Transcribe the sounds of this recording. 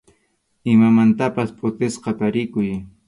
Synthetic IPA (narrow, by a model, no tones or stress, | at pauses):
ɪmamant̪apaspʼʊt̪ɪsqɑt̪aɾɪkʊj